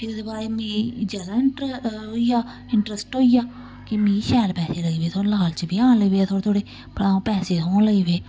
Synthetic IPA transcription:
pʰɪɾd̪ebaːɾeːmĩːd͡ʒəd̪ãːɪʈoijaː | ɪɳʈɾəsʈɦoːijaː | kɪmĩːʃɛːlpɛːseːləiːʋeːt̪ʰoːləːalt͡ʃbiːãːnləʋeːaːt̪ʰoːt̪ʰoːɽeː | pəɽãːõːpɛːseːt̪oːnləiːʋeː

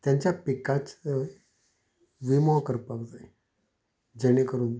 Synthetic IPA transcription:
t̪jaɲt͡ɕjapikat͡s | ʋimɔɦkəɾpakd͡zaj | d͡zəɽ̃ekəɾuːn

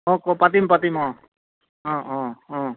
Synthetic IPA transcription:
ɔ̃kɔpat̪̬impat̪̬imɔ̃ | ɔ̃ɔ̃ɔ̃

